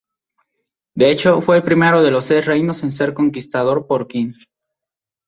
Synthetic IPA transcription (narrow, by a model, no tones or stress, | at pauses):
d̪eet͡ʃo̞fwe̞ːlpɾime̞ɾoðe̞losːesre̞jnosens̬e̞ɾko̞ŋkist̪aðoɾpoɾkin